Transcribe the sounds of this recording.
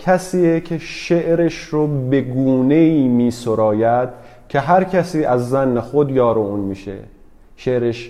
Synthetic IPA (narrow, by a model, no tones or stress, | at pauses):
cʰæsiːecʰeʃeʔɾeʃɾobe̞ɡuːne̞iːmiːsoɾɒːjæd̪̥̚ | cʰeɦæɾcʰæsiːʔæzːænːexod̪jɒːɾouːnmiːʃḛ | ʃe̞ʔɾeʃ